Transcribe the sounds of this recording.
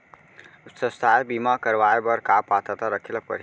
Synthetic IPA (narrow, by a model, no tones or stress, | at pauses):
utsəst̪abimakəɾʋajbəɾkapːat̪ət̪aɾəkʰiləpə̰ɾ